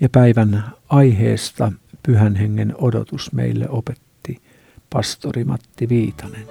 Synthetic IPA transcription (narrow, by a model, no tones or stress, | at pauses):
jɑpæiʋænɑihḛːst̪ɑpyhænheŋːenodo̰t̪usmḛilːḛopet̪ːi | pɑst̪orimɑ̰t̪ːiʋiːt̪ɑnen